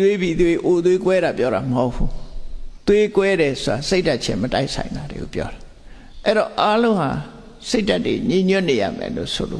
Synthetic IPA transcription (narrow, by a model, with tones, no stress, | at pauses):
we˦bi˨t̪we˦ʔo˨t̪̬we˦kwɛ˦ɾa˨pjɔ˦ɾa˨məho˦ʊpʰu˦t̪we˦kwɛ˦ɾɛ˨so˨ɾa˨se˦ɪta˦ʔ̚t͡ɕʰɪ̰̃˦məta̰˦ɪʔsʰã˨ɪ̃nd̪a˨ɾḛ˨ɡo̰˦˨pjɔ̰˦ɾa˨ | ʔɛ˦˨ɾɔ˨ʔa˦lõ˦ʊ̃ha˨ | se˦ɪta˦tːwḛ˨ɲĩ˨ɲʊ˦ʔne˨ja̰˦˨mɛ̰˨lo̰˦˨so̰˨lo̰˦˨